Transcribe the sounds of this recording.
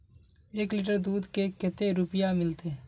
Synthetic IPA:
eːklɪːʈ̬əɾd̪uːd̪kekɛt̪eɾʊpjamɪlt̪e

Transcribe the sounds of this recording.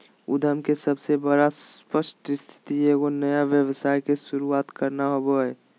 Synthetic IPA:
ud̪ʱəmkesəbsebəɽaspəsʈst̪ʰi̥t̪ieɡonəjaʋjəbsaːjkesuɾuaːt̪kəɾnaɦoboɦɛ

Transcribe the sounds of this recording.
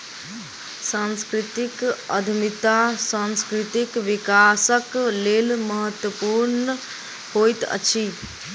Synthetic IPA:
sãnskɾit̪ikəd̪ʱmit̪asãnskɾit̪ikʋikasəklelməɦət̪wəpuɾnə | hojt̪ə̰t͡ʃʰi

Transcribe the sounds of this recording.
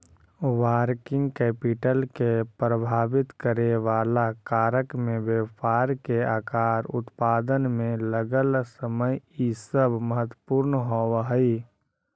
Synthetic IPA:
waːɾkɪ̃ŋɡkɛːpɪʈəlkepɾəbʱaːʋɪt̪kəɾeʋaːlakaːɾəkmẽʋepaːɾkeaːkaːɾʊ̰t̪paːd̪ənmẽləɡəlsəməjisəbməɦət̪wə̥puːɾnɦoːwɦi

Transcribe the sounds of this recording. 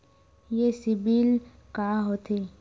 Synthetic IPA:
jesɪbiːl | kaɦot̪ʰe

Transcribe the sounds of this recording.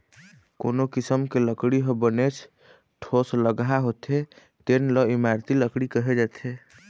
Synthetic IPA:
konokisəmkeləkɽiɦəbənet͡ʃʰ | ʈʰosləɡɦaɦot̪e | t̪enlɔimaɾt̪iləkɽikəɦed͡ʒat̪ʰe

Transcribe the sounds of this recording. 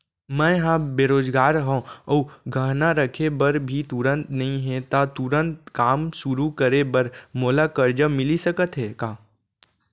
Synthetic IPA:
mɛ̃ɦãbeːɾoːd͡ʒɡaːɾɦõɔːɡʱəɦnaɾəkʰebɐɾbʱit̪ʊɾə̃nt̪nɐɦĩɦɛ̃t̪at̪ʊɾə̃nt̪kaːmʃʊɾukəɾebɐɾmoːlakəɾd͡ʒəmɪlisəkət̪ɦɛkaː

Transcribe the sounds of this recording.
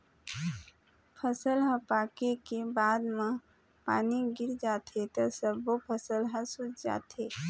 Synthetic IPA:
pʰəsəlɦəpaːkekebaːd̪mã | pa̰ːniɡɪɾd͡ʒaːt̪ʰet̪ɔsəbopʰəsəlɦəsʊt͡ʃd͡ʒa̰ːt̪ʰeː

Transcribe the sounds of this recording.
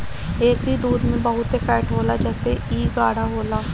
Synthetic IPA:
eːk̚bʱid̪uːd̪mẽbəɦʊt̪efɛːʈɦoːlad͡ʒɛːseiːɡaːɽaɦoːlaː

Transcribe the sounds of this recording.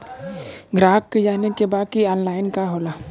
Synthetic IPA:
ɡɾaːkːed͡ʒaːnekebaːd̪̚kiɔːnlaːɪnkaɦoːlaː

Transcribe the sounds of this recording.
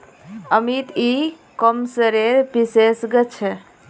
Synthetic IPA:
əmit̪i | kəmsəɾeɾpisesɡət͡ʃʰɛ

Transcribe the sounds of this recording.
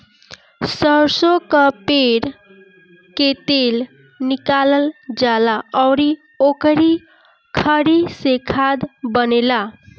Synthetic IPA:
səɾsokəpeɾ | ket̪el | nikaləld͡ʒalaɔwɾi | okɾi | kʰəɾisekʰad̪bənela

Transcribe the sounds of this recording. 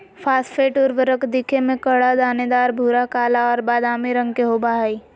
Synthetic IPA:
fʰaːsʈfʰeːʈʊɾʋəɾəkd̪ikʰemẽkəɽad̪aːned̪aːɾbʱuːɾakaːlaɔːɾbaːd̪aːmiɾə̃ŋɡkeɦobaɦaiː

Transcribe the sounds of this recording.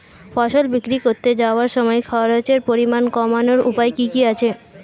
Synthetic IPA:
faʃolbikɾikoɾt̪ed͡ʑaoaɾʃɔmɔekʰaaɾat͡ɕeɾpoɾimankɔmanoɾṵpaekikiat͡ɕʰe

